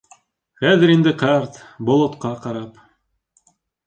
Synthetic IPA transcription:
χæðɘ̆ɾind̪ɘqɑrt̪bŏlˠŏt̪qɑqɑɾɑp

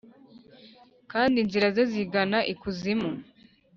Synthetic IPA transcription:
kaːndinziɾazoziɡanaʔikuzimu

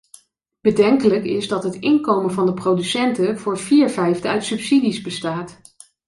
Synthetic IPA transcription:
b̥ədɛŋkələkɪzdɑtɦətɪŋkowmənvɑndəprowdysɛntəvʊːɹv̥iːɹvɛjvdəœɥtsɵpsidizbəstaːt

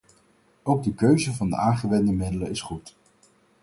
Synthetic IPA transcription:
owɡ̚dəkøɥzəvɑndə̰aːŋχəʋɛndəmɪdələɪsχut

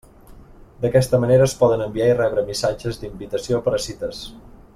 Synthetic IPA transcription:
d̪əkɛst̪əməneɾəːspɔðənəmbiairɛβɾəmisad͡ʒəzd̪imbit̪əsiopəɾəsit̪əs

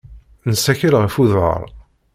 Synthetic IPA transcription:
nəsæçəlʁəfuðə̰ɾˤ

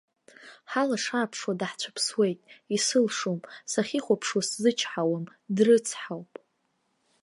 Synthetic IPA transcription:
ħalaʂapʰʂwadaħt͡ɕʷʰḁpʰswe̞jtʼisɨlʂomsaχʲiχʷapʰʂwaszɨt͡ʃʰħawamdrɨt͡sʰħawpʼ

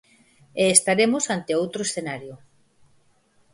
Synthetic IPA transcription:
eːst̪aɾemʊsant̪eowt̪ɾoesθenaɾjʊ

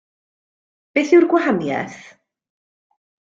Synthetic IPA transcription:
b̥eːθɪwrɡwahanjɛ̰θ

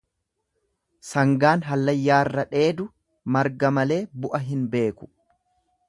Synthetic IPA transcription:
sɐŋɡaːnɦɐlːɐjːaːrːɐᶑe̞ːd̪ʊ | mɐɾɡɐmɐle̞ːbʊʔɐɦɪnbe̞ːkʊ̥

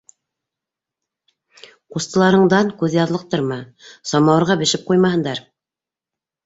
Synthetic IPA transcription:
qust̪ɤ̆lˠɑɾɤ̆ɴd̪ɑŋkʉðjɑðlˠɤq̚t̪ɤɾmɤsɒmɑwɤ̆ɾʁɑbɘ̆ʃɘp̚qujmɑhɤ̆nd̪ɑɾ

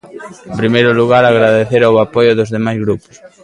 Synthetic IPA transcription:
ẽmpɾimejɾʊluɣaɾaɣɾaðeθeɾawapɔjʊðozðemajzɣɾupʊ̥s

